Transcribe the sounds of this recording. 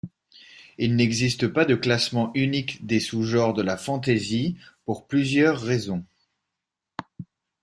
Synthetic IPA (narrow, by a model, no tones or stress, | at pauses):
ilnɛɡzist̪əpad̪əklasmɑ̃ʔynikd̪esuʒɔ̃ʁd̪əlafɑ̃t̪ezipuʁplyzjœʁːezɔ̃